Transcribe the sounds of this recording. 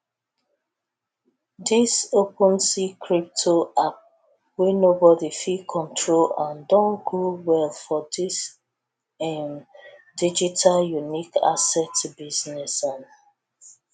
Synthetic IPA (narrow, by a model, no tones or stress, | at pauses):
disopə̃nsikʰɹip̚tʰoap̚ | wɛnobɔdifikʰɔ̃ntʰɹolãndɔ̃nɡuwɛlfɔdis | ɛmdid͡ʒitʰaljunika̰sɛtbiznɛsɔ̃n